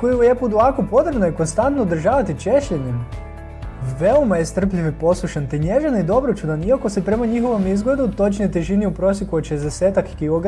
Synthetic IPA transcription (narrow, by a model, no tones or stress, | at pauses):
kojiujepud̪uʋakopo̞t̪ɾebnoikonst̪ant̪noud̪r̩ʒaːʋat̪it͡ʃeʃʎeɲem | ʋeomajest̪r̩pʎiʋipo̞slˠuʃant̪eɲeʒanid̪o̞bɾot͡ʃud̪aniako̞sepɾe̞maɲixo̞ʋo̞mizɡle̞d̪ut̪o̞t͡ʃnejt̪eʒiniupɾo̞sjekuoʃezd̪eseːt̪akːiloɡ